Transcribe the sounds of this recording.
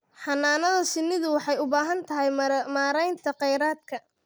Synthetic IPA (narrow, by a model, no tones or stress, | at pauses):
ħɑnːaːnɐðɐsɪnːɪðʊwɑħɑjʊbaːɦɐnt̪ʰɐɦɛjmaːɾɛjnt̪ʰɐqɛjɾaːd̪̚kʰɐ